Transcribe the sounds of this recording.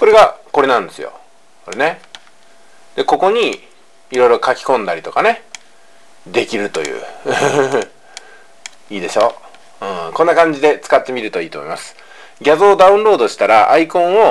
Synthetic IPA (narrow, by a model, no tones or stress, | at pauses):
so̞ɾe̞ɡako̞ɾe̞nãnd̪e̞sɨjo̞̰ | ko̞ɾe̞ne̞ | d̪̥e̞ko̞ko̞ɲ̟iː | ɾo̞iɾo̞kakʲi̥kõ̞nd̪aɾʲit̪o̞kane̞ | d̪e̞kʲiɾɯ̟t̪o̞̰jɯ̟̰ː | iːd̪e̞ɕo̞ː | ɯ̃kõ̞nːakãɲ̟d͡ʑid̪e̞t͡sɨ̥kat̪ːe̞mʲiɾɯ̟t̪o̞iːt̪o̞mo̰imasɨ̥ | ɡʲazo̞ːd̪aɯ̟̃nɾo̞ːd̪o̞ɕi̥t̪aɾaʔaikõ̞ɰ̃o̞